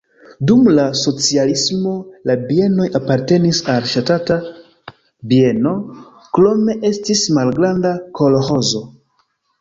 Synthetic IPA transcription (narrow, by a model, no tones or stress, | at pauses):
dumlaso̞t͡sialismo̞labie̞no̞japaɾte̞nisalʃatata | bie̞no̞ | klo̞me̞ʔe̞stismalɡɾandakʰo̞loxo̞zo̞